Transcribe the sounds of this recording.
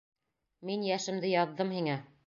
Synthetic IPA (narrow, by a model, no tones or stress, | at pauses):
minjæʃɘ̆md̪ɘjɑðːɤmhiŋæ